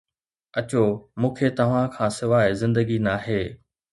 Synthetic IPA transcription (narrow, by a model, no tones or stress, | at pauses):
ɐt͡ɕomũːkʰet̪ɐʋ̤ãkʰãːsɪʋaːɪzɪ̃nd̪əɡinaːɦeː